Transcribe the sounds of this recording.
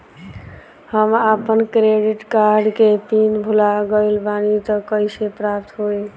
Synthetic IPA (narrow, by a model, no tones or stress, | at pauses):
həmapənkɾeɖiʈkaɾɖkepinbʱulaɡəɪlbanit̪əkəjsepɾapt̪ɦoi